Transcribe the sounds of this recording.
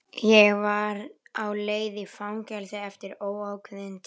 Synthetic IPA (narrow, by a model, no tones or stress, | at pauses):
jɛɣvaɾawleːjðɪfawŋcɛlsɪɛft̪ɪɾoːwawkʰɪðɪnt̪